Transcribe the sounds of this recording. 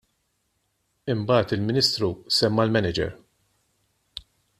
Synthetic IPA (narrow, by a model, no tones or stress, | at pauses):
ɪmbɐːt̪ɪlmɪniːst̪ɾusɛmːɐlmɛnɪd͡ʒɛ̰ɾ